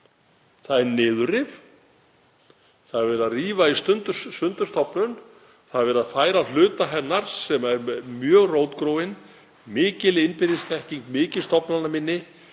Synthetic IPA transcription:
θaðɛɾnɪːðʏɾɪv | θaðɾvɛːɾaðriːvaist̪ʏnt̪ʏsʏnt̪ʏɾ̥st̪ɔpnʏn | θaðvɛːɾaðfaːjɾal̥ʏːt̪aɦɛnːaɾ̥sɛmaɛɾmjœːɣroːwt̪kɾoːwɪn | mɪːcɪlɪɪnpɪɾɪst̪ʰɛhciŋkmɪːcɪlst̪ɔpnalnamɪnːɪ

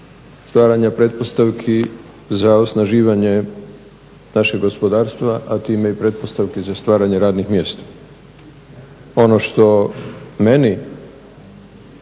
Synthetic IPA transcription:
st̪ʋaːɾaɲapɾe̞t̪̚po̞st̪aʋkʰi | zaosnaʒiːʋaɲe̞ | naʃeɡo̞spo̞d̪aːɾst̪ʋaʔat̪iːmeipɾe̞t̪̚po̞st̪aʋkizast̪ʋaːɾaɲe̞ɾaːd̪nixmjeːst̪ḁ | o̞noʃt̪o̞meni

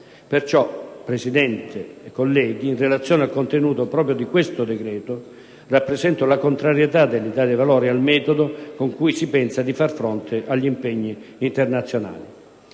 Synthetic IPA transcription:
pert͡ʃɔpːɾesid̪ɛnt̪ʰeekːolːɛːɡiːnrelat̪sːjoːnealkont̪enuːt̪opɾɔːp̬ɾjod̪ikwest̪ʊd̪ekɾɛːt̪ʊ | rapːɾezɛnt̪ʊlakont̪ɾaɾjet̪ad̪ːelːid̪aːd̪evalɔːɾialmɛːt̪od̪okoŋkujsipɛnsad̪ifarfɾont̪ʰɪʔaʎːimpɛɲːiːnt̪ernat̪sːjona̰ːli

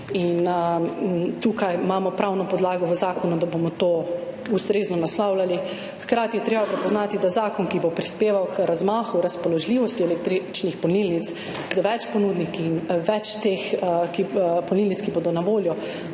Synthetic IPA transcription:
in | t̪uːkajmamɔpɾawnɔpɔd̪laːɡɔʋəzaːkɔnud̪abomɔt̪oust̪ɾeːznɔnaslawlali | xkɾaːt̪ijɛt̪ɾeːbapɾɛpɔznaːt̪id̪azaːkɔnkibopɾispeːʋawkʰɾazmaːxuɾaspɔlɔʒliʋɔst̪iɛlɛk̚t̪ɾit͡ʃnixpɔnilnit̪s | zaʋɛt͡ʃpɔnud̪nikiːnʋɛt͡ʃt̪exkipɔnilnit̪skibod̪ɔnaʋoːljɔ

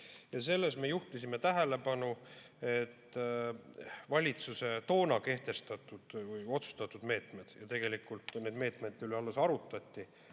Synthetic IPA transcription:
jɑse̞lːe̞s̬mejuht̪isime̞t̪æɦele̞pɑnu | e̞t̪ː | vɑlʲit̪suse̞t̪o̞ːnɑke̞ht̪e̞st̪ɑt̪ːˑud̪̥vɯjo̞t̪su̥st̪ɑt̪ːˑud̪̥me̞ːt̪me̞d̪̥jɑt̪e̞ɡ̥e̞likult̪ne̞ːd̪meːt̪ˑmed̪yleɑlːesɑɾut̪ːˑɑt̪ʲːi

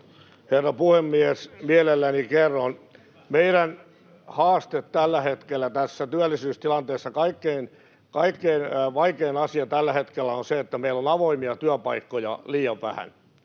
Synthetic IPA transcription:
herːɑpuhemːiesmielelːænikerːon | meiɾæn | hɑːst̪et̪t̪ælːæhet̪kelːæt̪æsːæt̪yælːisyːst̪ilɑnt̪eːsːɑkɑikːein | kɑikːeinʋɑikeinɑsiɑt̪ælːæhet̪kelːæonseet̪ːæmeilːonɑʋoimiɑt̪yæpɑikːojɑ̰liːjɑʋʋæ̰hæ̰n

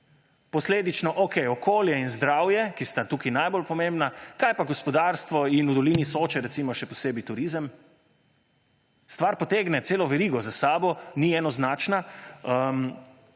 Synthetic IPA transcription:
pɔsleːd̪it͡ʃnɔʔokɛjɔkoːljɛinzd̪ɾawjɛkist̪at̪uːkinajbolpɔmẽmbnakajpaɡɔspɔd̪aːɾst̪ʋɔinud̪ɔliːnisoːt͡ʃɛɾɛt̪simɔʃɛpɔseːbit̪uɾizəm | st̪ʋaɾpɔt̪eːɡnɛt̪seːlɔʋɛɾiɡɔzasaːbɔniɛnɔznaːt͡ʃna | m

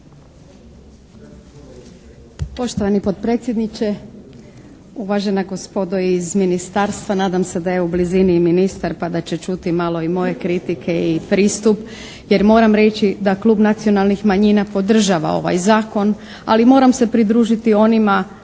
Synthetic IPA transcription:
po̞ʃt̪oʋanipo̞t̪̚pɾe̞ːt̪sje̞d̪nit͡ʃe̞ | uʋaʒe̞naɡo̞spo̞d̪oizminist̪aːɾst̪ʋanaːd̪amse̞d̪aje̞ubliziniminist̪aɾpad̪at͡ɕe̞t͡ʃut̪imalˠo̞imo̞je̞kɾit̪ikʰe̞ipɾiːst̪up | je̞ɾmo̞ːɾamɾe̞t͡ʃid̪aklˠuːbnat̪sio̞nalˠnixmaɲiːnapo̞d̪r̩ʒaːʋa̰o̞̰ʋa̰jzaːko̞n | a̰limo̞ːɾamse̞pɾid̪ɾuːʒit̪io̞nima

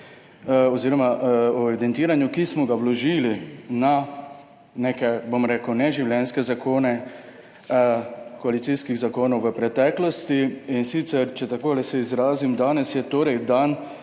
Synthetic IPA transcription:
ɔziːɾɔmaʔɔeid̪ɛnt̪iːɾanjukismɔɡawlɔʒiːlina | nekɛbomɾeːkəwnɛʒiwljɛnskɛzakʰoːnɛ | kɔalit̪siskiɣzakoːnɔwʋəpɾɛt̪ɛːklɔst̪iːnsit̪sɛɾt͡ʃɛt̪akoːlɛsɛizɾaːzimd̪aːnɛsjɛt̪oːɾɛjd̪an

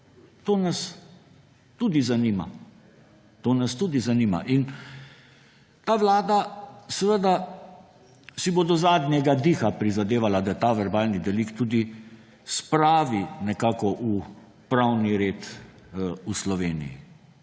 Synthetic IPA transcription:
t̪oːnas | t̪uːd̪izaniːma̰ | t̪oːnast̪uːd̪izaniːma̰ʔin | t̪aːʋlaːd̪asɛʋəd̪a | sibod̪ɔzaːd̪nʲjɛɡad̪iːxapɾizad̪eːʋalad̪ajɛt̪aʋɛɾbaːlnid̪ɛlikt̪ud̪i | spɾaːʋinɛkaːkɔʔu | pɾawniɾeːt̪ | uslɔʋeːnḭjḭ

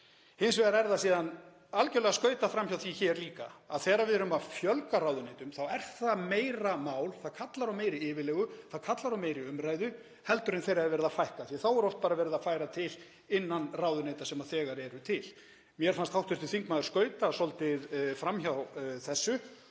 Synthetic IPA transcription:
hɪnsvɛɣaɾɛɾðasiːðan | alcɛɾlɛɣaskœːɥt̪afɾamçawθiçɛɾliːka̰aðθɛːɾavɪðɾʏmaðfjœlkaɾaːwðʏnejt̪ʏmθawɛɾ̥θameːjɾamaːwlθaðkʰat̪laɾawmeːjɾɪɪːvɪlɛːɣʏθaðkʰat̪laɾawmeːjɾɪʏmɾaːjðʏ | hɛlt̪ʏɾɪnθejɾaðvɛɾɪðafajhkaθjɛθawɛɾɔht̪̚paːɾavɛːɾɪðafaːjɾat̪ʰɪl | ɪnːanrawðʏnejt̪asɛmaðθɛːɣaɾɛɾʏt̪ʰɪl | mjɛɾ̥fanst̪awht̪ʰɪst̪ʏθiŋkmaːðʏɾ̥skœːɥt̪asɔlt̪ɪðfɾamçawθɛsːʏ

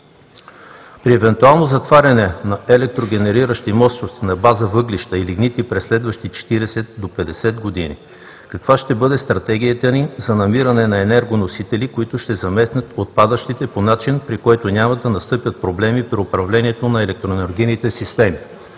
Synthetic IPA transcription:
pɾiɛvɛnt̪ualˠnozɐt̪vaɾʲɐnɛnɐɛlɛk̚t̪ɾoɡʲɛnɛɾiɾəʃt̪imɔsnost̪inɐbazəvɤɡliʃt̪ɐiliɡnit̪ipɾɛsːlɛd̪vɐʃt̪it͡ʃɛ̥t̪iɾɛsɛt̪̚d̪opɛd̪ɛsɛd̪ɡod̪inḭ | kɐkv̥aʃt̪ɛbɤd̪ɛst̪ɾɐt̪ɛɡ̟ʲijət̪ənizɐnɐmiɾɐnɛnɐɛnɛɾɡonosit̪ɛlikoit̪ʊʃt̪ɛzɐmɛsnʲət̪ot̪̚pad̪əʃt̪it̪ɛponat͡ʃinpɾikɔjt̪onʲamɐd̪ɐnɐst̪ɤpʲjət̪̚pɾoblɛmipɾiʊpɾɐvlɛniɛt̪onɐɛlɛk̚t̪ɾoɛnɛɾɡʲinit̪ɛsist̪ɛmi

